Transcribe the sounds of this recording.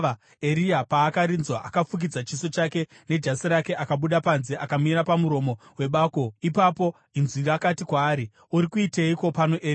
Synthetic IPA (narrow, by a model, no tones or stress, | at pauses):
e̞ɾiapaːkaɾinzwaʔakafuk̬id͡zat͡ʃiso̞t͡ʃake̞ | ne̞d͡ʒasiɾake̞ʔakaɓuɗapanze̞ʔakamiɾapamuɾo̞mo̞we̞ɓaːko̞ipapo̞ | inzirakatikwaːɾi | uɾikuiteiko̞panoʔei